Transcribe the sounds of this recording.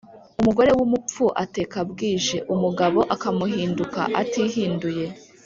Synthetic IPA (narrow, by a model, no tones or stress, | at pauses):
umuɡo̞ɾe̞wumup͡fuʔate̞ːkabɡiːʒe̞ʔumuɡaβo̞ʔakamuɦiːnduka̰ʔatiːɦiːnduje̞